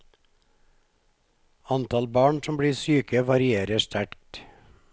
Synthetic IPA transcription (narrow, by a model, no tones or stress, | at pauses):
ɑnt̪ɑlbɑːɳsɔmbɽiːsyːkəʋɑɾɪeːɾəʃt̪ʰæɾk̚t̪